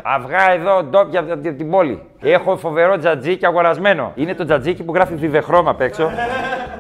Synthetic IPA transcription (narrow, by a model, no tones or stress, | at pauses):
ɐ̰vɣɐeðo̞d̪o̞pʝɐt̪t̪ibo̞lḭ | e̞xo̞fo̞ve̞ɾo̞d͡zɐd͡ziceɐɣo̞ɾɐzme̞no̞̰ine̞t̪o̞d͡zɐd͡zicipuɣɾɐfiðiðe̞xɾo̞mɐpe̞kso̞